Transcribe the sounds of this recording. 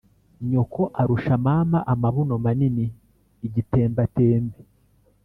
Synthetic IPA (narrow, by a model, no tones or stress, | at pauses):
ɲokʰo̞ʔaɾuʃamaːmaʔamaβunomaniniː | ɟite̞ːmbateːmbe